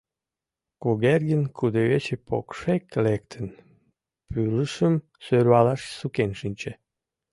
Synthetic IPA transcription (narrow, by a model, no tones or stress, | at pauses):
kuɣerɣənkʰud̪eβet͡ɕepʰo̰kʃeklek̚t̪ʰən | pyləʃəm | søɾɑlɑʃsukenʃinʲt͡ɕe